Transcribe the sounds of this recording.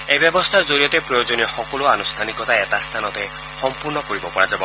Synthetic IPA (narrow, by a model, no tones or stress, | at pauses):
ejbjɔbɔst̪ʰazoɹijɔt̪epɾɔjod͡ʒonixɔkɔluanust̪ʰanikɔt̪aet̪ast̪ʰanɔt̪e | xɔmpuɾnɔkoɹibɔpɔɹad͡ʒabɔ